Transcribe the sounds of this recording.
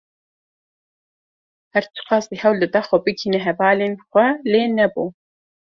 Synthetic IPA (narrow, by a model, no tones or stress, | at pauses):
hɛɾt͡ʃʰɨ̥qɑːsihɛwlɨd̪ɛxɔbɨkʰiːnɛɦɛvɑːleːnxʷɛleːnɛbuː